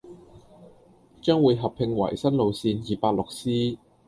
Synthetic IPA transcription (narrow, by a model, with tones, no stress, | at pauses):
t͡ʃœː˥ŋwuː˨˧jɦɐ˨pʰɪ˧ŋwɐ̰˨˩jsɐ˥nlo˨˧wsiː˧njiː˨paː˧t̚lʊ˨k̚siː˥